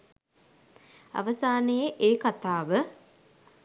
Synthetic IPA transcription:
a̰ʋəsaːnəjeʔeːkat̪aːʋə

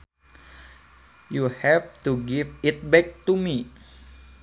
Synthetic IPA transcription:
juhɛft̪uɡifit̪̚bɛk̚t̪umi

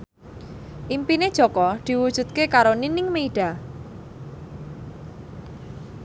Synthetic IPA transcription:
ʔimpined̥ʒ̥ɔkɔd̪̥i̤wud̥ʒ̥ṳt̪̚kekaɾoninɪŋmeiɖ̥a̤

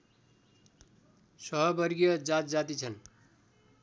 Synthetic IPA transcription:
sʌɦʌbʌɾɡijʌd͡zat̪d͡zat̪it͡sʰʌn

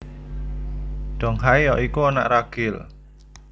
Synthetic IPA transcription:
d̪̥ɔ̤ŋɦaijɔʔikuana̰ʔraɡ̥ɪl

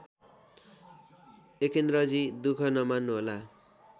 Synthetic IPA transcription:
ekend̪ɾʌd͡zid̪ukʰʌnʌmanːuɦola

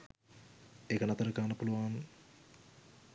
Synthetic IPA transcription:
ekɐnɐt̪ɐɾɨkaːnɐpuluʋaːn

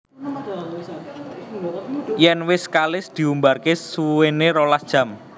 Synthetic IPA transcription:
jɛnwɪskalɪsd̪̥i̤umbarkessueneɾolasd̥ʒ̥ä̤m

